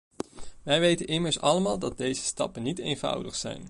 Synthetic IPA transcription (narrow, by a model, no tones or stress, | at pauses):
ʋɛjʋejtənʔɪməɹsɑləmaːlˠdɑd̚dejzəstɑ̰pənːitḛjnvʌ̰wdəχsɛ̰jn